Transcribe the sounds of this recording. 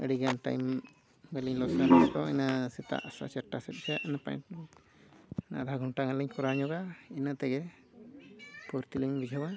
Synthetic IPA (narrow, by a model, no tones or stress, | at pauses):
ə̰ɽiɡanʈa̰jm | bɛliɲlɔd͡ʒnaɾaɛk̪ɔɛnasɛt̪a̰ʔsa̰t͡ʃɛɾʈːasɛt̪̚ˀd͡ʒaʔnapa̰jʈ | na̰d̪ʱaɡʱɔɳʈaŋalɛɲkɔɾaɲɔɡainat̪ɛɡɛ | puɾt̪iliɲbid͡ʒʱaba